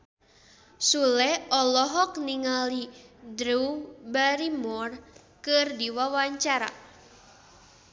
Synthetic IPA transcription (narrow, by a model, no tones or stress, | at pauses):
sulɛɔlɔɦɔkniŋalidɾubaɾimɔr | kɨrdiwawaɲt͡ʃaɾa̰